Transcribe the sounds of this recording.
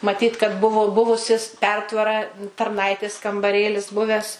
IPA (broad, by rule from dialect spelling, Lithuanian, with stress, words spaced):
mɐˈtʲiːt kɐt ˈbʊʋʊ ˈbʊʋʊsʲɪs ˈpʲɛrtʋɐrɐ tɐrˈnɐɪtʲeːs kɐmbɐˈrʲeːlʲɪs ˈbʊʋʲæːs